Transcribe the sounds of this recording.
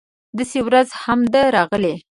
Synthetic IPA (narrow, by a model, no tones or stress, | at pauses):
d̪asewɾazhamd̪əɾɑɣəle